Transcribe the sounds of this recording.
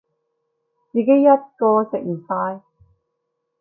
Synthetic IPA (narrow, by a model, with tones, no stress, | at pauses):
t͡siː˨ke˦˥jːɐ˥t̚kɔː˧sɪ˨k̚m̩˨˩faː˧j